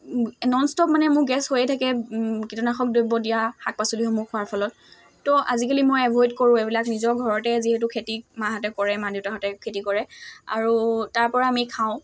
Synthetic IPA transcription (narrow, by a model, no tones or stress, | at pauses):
nɔnstɔp̚manɛmʊɹɡɛshojɛtʰakɛkitɔnaxɔk̚dojbɔdijaxak̚pasuliɦɔmʊɹkʰʊaɹpʰɔlɔt̚ː | ɔʔazikalimojɛbʱɔjtkoɹʊ̃ebilaknizɔɹɡʱɔɹɔtɛziɦɛtukʰetimaɦatɛkɔɹɛmaditaɦatɛkʰetikɔɹɛa̰ɹutaɹpɔɹaːmikʰaʊ̃